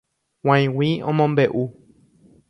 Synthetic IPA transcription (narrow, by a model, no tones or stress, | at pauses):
w̃ãĩwiõ̰mõmbe̞ʔu